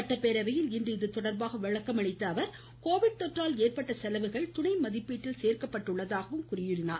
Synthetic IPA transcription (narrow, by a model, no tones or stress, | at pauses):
ɐʈːɐpeːɾɐʋɐjɪlɪndrɯɪðɯt̪ɔɽɐɾbaːɣɐʋɛɭɐkːɐmɐɳɪt̪ːɐːʋɐɾ | koːʋɪɽ̚t̪ɔʈraːleːrpɐʈːɐsɛlɐʋɯɣɐɭt̪ʊɳɐɪmɐðɪpːiːʈːɪlseːrkɐpːɐʈːɯɭːɐðaːɣɐʋɯmkʊrɪjʊɽɪnaː